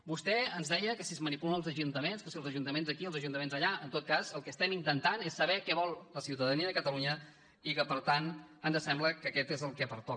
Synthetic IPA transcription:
bust̪ɛənzðɛjəkəsiəzmənipulənəlˠzəʒunt̪əmenskəsiəlˠzəʒunt̪əmenzðəkiəlˠzəʒunt̪əmenzəʎaənt̪ot̪̚kazəlˠkəst̪ɛmint̪ənt̪anesːəβɛkɛβɔlˠləsiwt̪əðəniəðəkət̪əluɲə | ikəpəɾt̪anand̪əsɛmbləkəkɛt̪ezəlˠkɛpəɾt̪ɔ

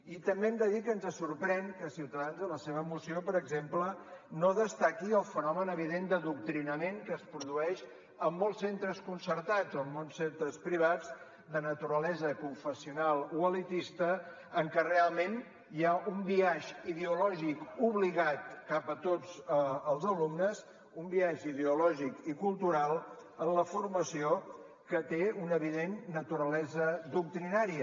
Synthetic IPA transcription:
it̪əmbemd̪əðikənzəsuɾpɾɛŋkəsiwt̪əðanzðələseβəːmusiopəɾəɡzemplənoðəst̪akiəlˠfənɔmənəβ̞iðend̪əðuk̚t̪ɾinəmeŋkəspɾuðuɛʃ | əmːɔlˠsent̪ɾəskunsəɾt̪ad͡zoəmːonsːent̪ɾəspɾiβ̞ad͡z | d̪ənət̪uɾəlɛzəkuɱfəsiunalˠuəlit̪ist̪əː | ŋkɛrealˠmẽn | jaumbiaʒiðeulɔʒikuβ̞liɣat̪kapət̪od͡zəlˠzəlumnəs | umbiaʒið̞eulɔʒikikulˠt̪uɾalˠənləfurməsio | kət̪eunəβ̞iðenːət̪uɾəlɛzəd̪uk̚t̪ɾinaɾiə

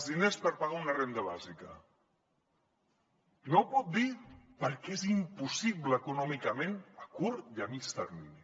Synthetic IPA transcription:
zðinespəɾpaɣaunarend̪əβazikə | nowpɔt̪̚d̪ipəɾkezimpusiβləːkunɔmikamẽnakuɾjamit͡ʃt̪əɾmini

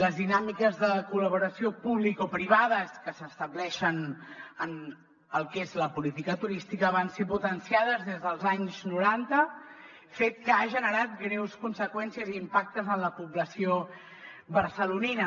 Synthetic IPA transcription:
ləzðinamikəzðəkuləβ̞uɾəsiopuβlikopɾiβ̞aðəskəsəst̪əblɛʃənən | əlˠkezləpulit̪ikət̪uɾist̪ikəβ̞anseput̪ənsijað̞əzðezðəlˠzaɲznuɾant̪ə | fet̪̚kəaʒənəɾat̪̚ɡɾɛwskunsəkwɛnsiəziːmpak̚t̪əzənləpuβləsio | βərsəluninə

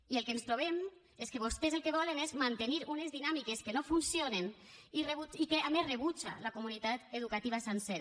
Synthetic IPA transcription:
ielˠkenst̪ɾoβ̞em | eskeβost̪ezelˠkeβɔlenezmant̪eniɾunezðinamikeskenofunsjonen | ireβut͡ʃikeamezreβut͡ʃa̰lakomunit̪at̪eðukat̪iβ̞asenseɾa

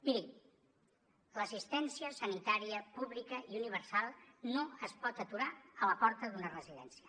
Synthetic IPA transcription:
iɾi | ləsist̪ɛnsiəsənit̪aɾiəpuβlikəiuniβ̞əɾsalˠnoəspɔt̪ət̪uɾaələpɔɾt̪əðunərəziðɛ̰nsiə

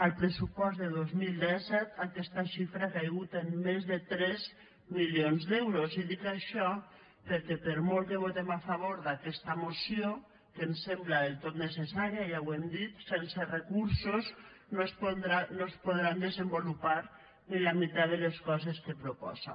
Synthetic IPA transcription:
əlˠpɾesupɔzðeðozmilˠd̪ɛsɛt̪akɛst̪aʃifɾakajɣut̪emːezðet̪ɾɛz | miljonzdɛwɾoziðikaʃɔ | peɾkɛpeɾmolˠkeβ̞ot̪emafaβ̞oɾðakɛst̪amosio | kensemblaðelt̪ot̪nesesaɾiaʒawɛmd̪it̪sɛnserekuɾsoz | nospod̪ɾanospoðɾand̪ezəmbolupaɾ | nilamit̪aðeleskɔzeskepɾopɔ̰za̰

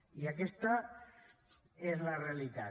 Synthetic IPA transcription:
iakest̪a | ezlarealit̪a

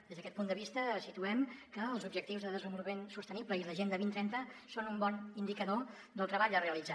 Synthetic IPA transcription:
d̪ezðəkɛt̪pund̪əβist̪əsit̪uɛmkəːlˠzubʒəkt̪iwzðəðəzəmbulˠmensust̪ənibləiləʒend̪əβint̪ɾɛnt̪əsonumbɔnind̪ikəðo | d̪əlˠt̪ɾəβaʎəreəlid͡za

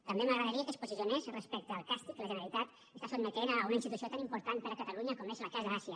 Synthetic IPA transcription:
t̪əmbeməɣɾəðəɾiəkəspuziziunezrəspɛk̚t̪əːlˠkast̪ikləʒənəɾəlit̪at̪ | əst̪asod̪mət̪eɾəːunəinst̪it̪usiot̪animpuɾt̪anp̪əɾəkət̪əluɲəkomeʃəlakazðəasiə

